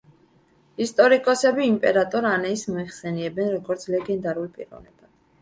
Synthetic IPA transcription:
ist̪ʼɔɾikʼɔsɛbiːmpʼɛɾat̪ʼɔɾanɛismɔiχsɛniɛbɛnɾɔɡɔɾt̪sʰlɛɡɛnd̪aɾulpʼḭɾɔ̰vnɛb̥ad̪̥

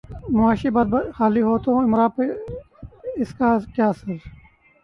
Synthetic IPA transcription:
mʊaːʃibad̪̚bxaːliɦoːt̪õɪmɾaːpe | ɪskaːkjaːsəl

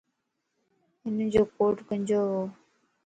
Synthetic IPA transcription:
ɦɪnəd͡ʑoːkoːʈkə̃nd͡ʑoːɦoː

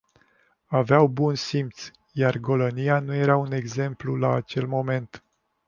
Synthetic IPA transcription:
aveawbunsimpt̪s | jarɡo̞lonijanuje̞ɾaune̞ɡze̞mplulaːt͡ʃe̞lmo̞me̞nt̪

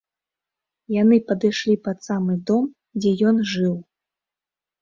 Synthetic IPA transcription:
janɨpɐd̪ɨʂlʲipɐt̪samɨd̪ɔm | d͡zʲɛjɔnʐɨw

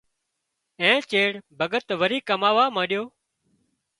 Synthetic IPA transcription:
ẽːt͡ʃeːɽbʱəɠət̪ʋəɾiːkəmaːʋaːmãːɗɪjoː

